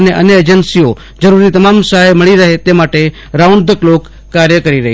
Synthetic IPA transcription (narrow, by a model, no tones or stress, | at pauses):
əneʔə̰njəeːd͡ʒənsio | d͡ʒəɾuɾit̪əmamsaɦajməɭiɾəɦet̪emaːʈe | ɾauɳd̪əkloːkː | aːɾjəkəɾiɾəɦi